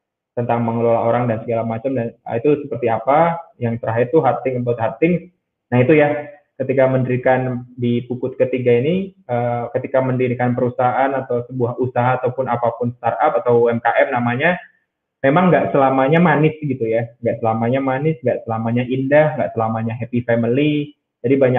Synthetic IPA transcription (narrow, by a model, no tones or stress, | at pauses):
t̪ənt̪aŋməŋəlolaoɾaŋdansəɡalamat͡ʃamdanə̰it̪usəpərt̪iapajaŋt͡ʃəɾaɦɛt̪uɦat̪ɪŋabat̪̚ɦat̪ɪŋ | nahit̪uja | kət̪ikaməndəɾikandipukʊt̪̚kət̪iɡainiəkət̪ikaməndiɾikanpəɾusaaʔanat̪awsəbuahusaɦaːt̪awpʊnapapʊnst̪arapat̪awɛmkaʔɛmnamaɲa | memaŋɡaʔsəlamaɲamanɪsɡit̪ujaŋɡaʔsəlamaɲamanɪsŋɡaʔsəlamaɲaʔindahŋɡaʔsəlamaɲaɦepifɛməli | d͡ʒadibaɲa